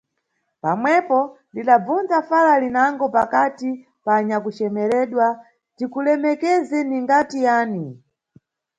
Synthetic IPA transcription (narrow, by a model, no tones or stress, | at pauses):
pamwɛpɔndiɗab͡vund͡zafalalinaŋɡɔpakati | paɲakut͡ʃɛmɛɾɛɗwa | tikulɛmɛkɛzɛniŋɡatijaːni